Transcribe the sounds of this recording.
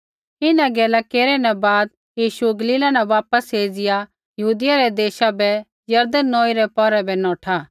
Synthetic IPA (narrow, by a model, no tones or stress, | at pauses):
ɪnãɡɛːlakeːɾɛnɛbaːd̪̚ | jiːʃuɡɐliːlanɛ̃ʋaːpəsɦeːd͡zɪja | jɐɦuːd̪ɪjaɾɛd̪eːʃabɛ | jɐɾd̪ənːoːiɾɛpɔɾɛbɛnɔːʈʰaː